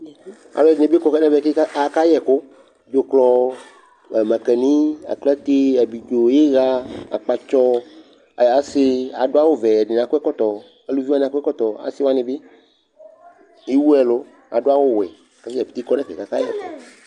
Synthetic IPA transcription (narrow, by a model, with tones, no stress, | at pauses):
a̰˨lɛ˨dɪ˨ẽ˨be˦kɔ˨kɛ˦nɛ̃˦vɛ˦˨ke˦a˦a˨ka˦jɛ˨ko˦ | d͡ʒo˨klɔ˨ | mã˨kɛ˨nĩ˦a̰˨kla˦t̪e˦a˨bi˨d͡ʒo˨je˦ɣa˦a̰˨k͡pa˨t͡ʃɔ˦˨ | a˨˦sɪ˦a˨dʊ˦a˦wo˦vɛ˨ɛ˨dɪ˨n˨ã˨ko˦ɛ˦kɔ˦t̪ɔ˨ | e˨˦lu˦vi˦a˦n˨a˨kɛ˦kɔ˦t̪ɔ˨a̰˨sɪ˦wa˦nɪ̃˨bɪ˦ | i˦wu˦ɛ˨lo˦ | a̰˨ɖʊ˦a˦wo˦˨wɛ˨ka˦si˦a˨pi̥˨t̪i˦kɔ˦nɛ̃˦ke˨ka˦ka˦jɛ̰˨ko̰˦